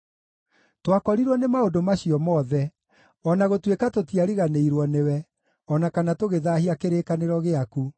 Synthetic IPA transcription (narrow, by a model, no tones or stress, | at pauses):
twakɔɾiɾwɔnemaodomaɕiɔmɔːðɛ | ɔnaɣotwekatotiaɾiɣaneiɾwɔnewɛ | ɔnakanatoɣeðahiakeɾeːkaneɾɔɣeaku